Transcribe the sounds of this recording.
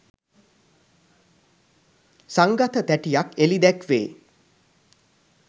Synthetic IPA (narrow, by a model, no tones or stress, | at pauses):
saŋɡat̪ʰət̪æʈijakelid̪ɛkʋeː